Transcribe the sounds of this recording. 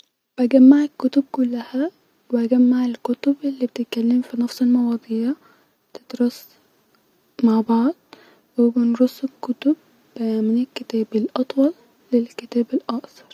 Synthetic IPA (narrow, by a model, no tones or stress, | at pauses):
bʔæɡamːaʕakːʊt̪ʊb̚kʊlːahæ | wɪʔæɡæmːaʕalkʊt̪ʊbʔɪlːiːbet̪ɪt̪̚kalːɪmfinɑfsˤelmɑwɑd̪ˤiːʕa | t̪ɪd̪ɾʊs | maʕbɑʕd̪̚ˤ | wɪbɪnɾʊsːɪkːʊt̪ʊb̚ | mɪnɪlkːɪt̪æːbɪlʔɑt̪ˤwɑlː | ɪlkɪt̪æːbɪlʔɑʔsɑ̥ɾˤ